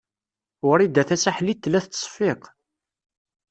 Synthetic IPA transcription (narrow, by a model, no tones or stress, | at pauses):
ʊɾid̪æθæsaħlit̪ːlæθsˤfiq